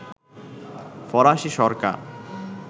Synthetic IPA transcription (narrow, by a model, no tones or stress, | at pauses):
fɔɾaʃiʃɔɾka̰ɾ